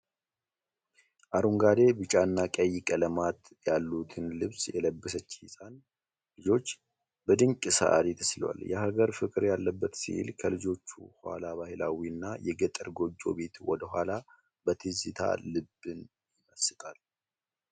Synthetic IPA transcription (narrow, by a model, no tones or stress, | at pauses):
ʔaɾuŋɡad̪e̞bɨt͡ʃʼanːakʼəjːɪkʼələmat̪ | jalːut̪ʰɨnlɨβsjɛləbːɨsət͡ʃːhisʼan | lɨd͡ʒo̞t͡ʃː | bəd̪ɨŋkʼɨsa̰ʔa̰ɾit̪ʰə̥slwa̰ljɛɦaɡəɾfɨkʼɨɾjalːəbːət̪sḭlkʰəlɨd͡ʒo̞t͡ʃːuha̰laβahilawiɨnːajɛɡət̪ʼəɾɡo̞d͡ʒːo̞̰be̞t̪wɔd̪əhʷala | bət̪ʰɨzɨt̪ʰa̰lɨbːɨn | jɪməsɨt̪ʰʼal